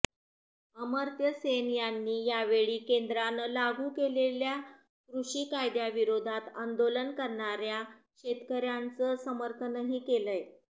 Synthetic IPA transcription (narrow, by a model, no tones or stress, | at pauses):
əməɾt̪jəsenjanːiːjaʋeɭiːkend̪ɾanəlaɡʱuːkelelja | kɾuʂiːkajd̪jaʋiɾod̪ʱat̪ənd̪olənkəɾɳaɾjakɕet̪kəɾjant͡səsəməɾkʰənəɦiːkeləj